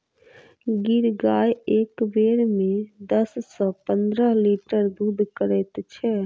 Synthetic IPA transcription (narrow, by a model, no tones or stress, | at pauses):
ɡɪɾɡaːjeːkbeːɾmẽd̪əssɔpə̃nd̪ɾəɦliːʈəɾd̪uːd̪ʱkəɾɛt̪t͡ʃʰɛː